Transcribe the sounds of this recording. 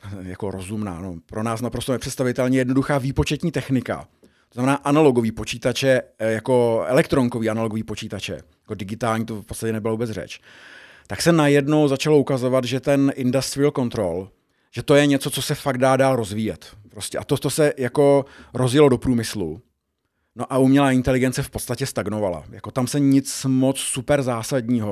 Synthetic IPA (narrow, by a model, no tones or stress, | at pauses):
jako̞ɾozumna̰ːnopɾo̞naːsnapɾo̞st̪onɛpr̥ɛt̪st̪avɪt̪ɛlɲɛjɛdno̞duxaːviːpo̞t͡ʃɛt̪ɲiːt̪ɛxnɪka̰ | tt̪oznamɛnaːʔanalo̞ɡo̞viːpo̞t͡ʃiːt̪at͡ʃɛjako̞ɛ̰lɛkt̪ɾo̞ŋkoviːanaloɡoviːpo̞t͡ʃiːt̪at͡ʃɛ̰jḁko̞dɪɡɪt̪aːlɲiːt̪ofpot͡st̪acɛnɛbɪlavuːbɛt͡srɛ̰t͡ʃ | t̪aksɛnajɛdno̞wzat͡ʃalo̞ʔukazo̞vad̪ʒɛt̪ɛnʔɪndasvɪlko̞nt̪ɾo̞l | ʒ̥ɛt̪o̞jɛɲɛt͡so̞t͡sosɛfaɡt̪daːdaːlɾo̞zviːjɛt̪pɾo̞scɛʔa̰t̪ot̪o̞sɛjako̞ɾo̞zjɪlo̞do̞pɾuːmɪslṵ | no̞ʔaumɲɛlaːɪnt̪ɛlɪɡɛnt͡sɛfpot̪st̪acɛst̪aɡno̞vala̰jako̞t̪amsɛɲɪt͡smot͡ssupɛɾzaːsadɲiːɦo